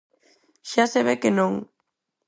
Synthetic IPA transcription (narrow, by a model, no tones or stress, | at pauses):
ʃaseβekenõŋ